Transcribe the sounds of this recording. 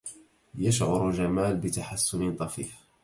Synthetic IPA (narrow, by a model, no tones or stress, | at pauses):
jaʃʕʊ̰ɾʒamaːlbɪt̪aħasːʊnɪt̪ˤɑfiːħ